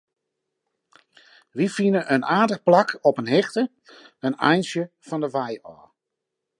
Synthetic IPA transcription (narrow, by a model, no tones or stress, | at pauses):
ʋifinəʔənʔaːdəχplɑkʰɔpənɦɛχtə | ənɛ̰jnsjə | fɑndəʋajɔ̰ː